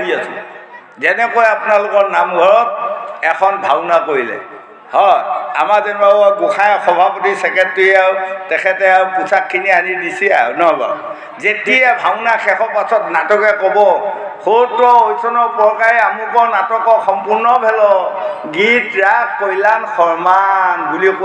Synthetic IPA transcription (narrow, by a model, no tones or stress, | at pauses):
diasʊ̰ | zɛnɛkojapunalʊkɔɹnamɡʱɔɹɔt̚ɛkʰɔnbʱawnakoɹilɛ̰ | hɔja̰mazɛnbʱaɔɡʊkʰajxɔbʱapotisɛkɛtːuawtɛkʰɛtɛawpusʰakʰːinianidisia̰nɔbɔ̰ | zetijɛbʱaʊnakʰɛxʰɔpasɔtnatɔkɛkɔbɔ | kʰotɔojsʰɔnɔpɔɹkaɹiamupɔnatɔkɔxɔmpuɹnɔbʱɛlɔ | ɡitɹakkojlanxɔɹmanɡulik